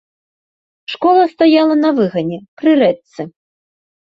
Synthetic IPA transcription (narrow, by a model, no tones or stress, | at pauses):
ʂkɔlˠɐst̪ajalˠɐnɐvɨɣɐnʲɛpɾɨɾɛt̪sɨ